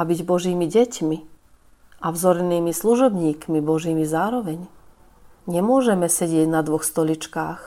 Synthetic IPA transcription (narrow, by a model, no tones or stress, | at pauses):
abiɟbɔʒiːmiɟɛcmi | avzɔɾniːmisluʒɔbɲiːkmibɔʒiːmizaːɾɔʋɛɲ | ɲɛmʊɔʒɛmɛsɛɟɪɛɟnad̪ʋɔxst̪ɔlit͡ʃkaːx